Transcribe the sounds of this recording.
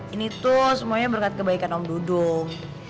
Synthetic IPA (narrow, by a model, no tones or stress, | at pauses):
init̪ʊsəmuaɲabəɾkat̪̚kəbaikanɔmdudʊŋ